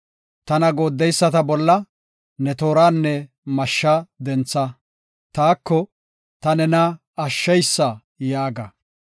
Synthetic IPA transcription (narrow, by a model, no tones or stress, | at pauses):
t̪ɐnɐɡo̞ːd̪ːɛjsːɐt̪ɐbɔlːɐ | nɛt̪o̞ːɾaːnːɛ | mɐʃːad̪ɛnt͡sːɐ | t̪aːkːɔ | t̪ɐnɛnɐ | ɐʃːɛjsːɐ | jaːɡɐ̰